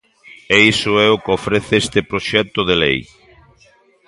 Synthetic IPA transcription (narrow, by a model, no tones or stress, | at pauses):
eisʊɛʊkɪofɾeθɪest̪ɪpɾoʃɛt̪ʊðelej